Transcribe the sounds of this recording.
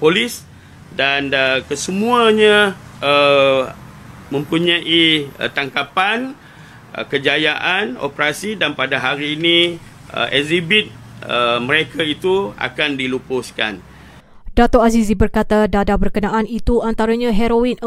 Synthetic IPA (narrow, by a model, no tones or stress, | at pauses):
polis | danəkəsəmũaɲãə | mə̃mpuɲãʔiət̪aŋkapan̰ | kəd͡ʒajaʔano̰pɾasidanpadaɦaɾiːni | ə̰ɛzibit̪̚ | əmə̃ɾekʰait̪ua̰kandilupʊska̰n | dat̪ɔʔasizibərkat̪adadabərkənaʔanit̪uant̪aɾaɲãɦɛɾoin